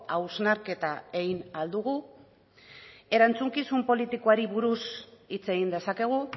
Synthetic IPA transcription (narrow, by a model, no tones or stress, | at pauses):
awznaɾke̞t̪ae̞ɣinald̪uɣu | e̞ɾant͡suŋkisumpo̞lit̪ikoaɾiβuɾusit͡se̞ɣ̞ind̪e̞sake̞ɣ̞u